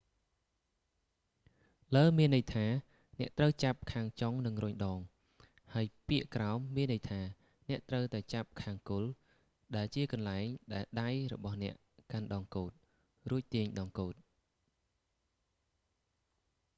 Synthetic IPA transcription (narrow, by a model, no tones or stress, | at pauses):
ləːmiənːɨjt̪ʰaː | nɛ̆əʔt̪rəwt͡ɕap̚kʰaːŋt͡ɕoŋnɨŋrʊɲɗɑːŋ | haəjpiəʔkraɔmːiənːɨjt̪ʰaː | nɛ̆əʔt̪rəwt̪aɛt͡ɕap̚kʰaːŋkʊl | ɗaɛlt͡ɕiəkɑnlaɛŋɗaɛlɗajrɔ̰ɓɑhnɛ̆əʔkanɗɑːŋkoːt̪̚ | ruəc̚t̪iəɲɗɑːŋkoːt̪̚